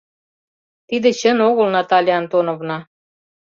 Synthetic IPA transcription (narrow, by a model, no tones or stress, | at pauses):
t̪id̪ĕt͡ɕə̆noɣə̆lnɑt̪ɑlʲiɑnt̪onovnɑ